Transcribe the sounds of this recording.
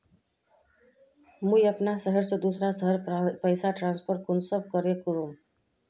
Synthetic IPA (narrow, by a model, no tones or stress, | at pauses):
mũjəpnasəɦəɾsʌ̃d̪usɾasəɦəɾpəjsaʈɾanspʰəɾkunsəb̚kʌɾekuɾum